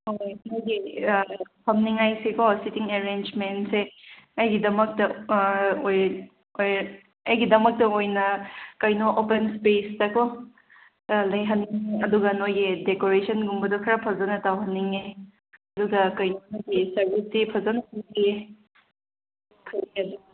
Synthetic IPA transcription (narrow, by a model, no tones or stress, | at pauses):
hojnojɡi | pʰɐmniŋajsekositiŋeɾend͡ʒmentseɐjɡidɐmɐk̚tɐ | oj | oj | ɐjɡidɐmɐk̚tɐojnɐkɐjnoʔːpenspestɐko | lɐjɦɐnːiŋeɐduɡɐnojɡedekoɾesʰɐnɡumbɐdokʰɐɾɐpʰɐzɐnɐtawɦɐnːiŋe | ɐduɡɐkɐjnonoɡisɐɾbisdipʰɐzonɐpʰɐnie | pʰɐniŋɐdu